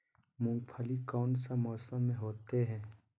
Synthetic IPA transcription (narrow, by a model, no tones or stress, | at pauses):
mʊ̃ŋɡpʰəlikɔːnsamɔːsəmːẽɦoːt̪eɦɛ̃ː